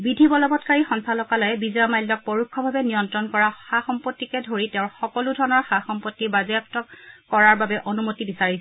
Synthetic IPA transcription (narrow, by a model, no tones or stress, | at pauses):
bidʱibɔlɔbɔtkaɹixɔnsalɔkalɔjɛbizɔjɔmajlːɔk̚pɔɹukʰːɔbʱabɛnijɔntɹɔnkɔɹaxaxɔmpotːikɛdʱoɹiteʊ̃ɹxɔkɔludʱɔɹɔnɔɹxaxɔmpɔtːibazɛjaptɔkːɔɹaɹbabɛʔonumotibisaɹisɛ